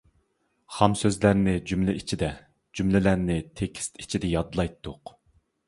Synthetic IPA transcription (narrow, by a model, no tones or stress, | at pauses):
χɑmsøzlæɾnɪd͡ʒymlɪit͡ʃʰid̪ɛ | d͡ʒymlɪlæɾnɪt̪ʰekʲʰi̥st̪i̥t͡ʃʰid̪ɛjɑd̪lˠɑjt̪ʰːʊq